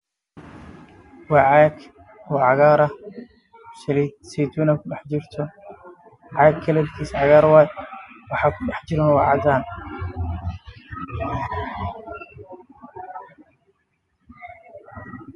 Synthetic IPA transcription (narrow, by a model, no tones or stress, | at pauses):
wɑːʕɑːɡ | wɑːʕɑɣaːɾɐ | ʃɐlisɛd̪unɐkʰʊɖɛħt͡ʃɪrt̪ʰɔ | ʕɑːɡkʰɐlɛlkʰiːsʕɑɣaːɾwaːd̪wɑħɑːkʰʊɗɛħt͡ʃɪɾɔnwɑʕɑd̪aːn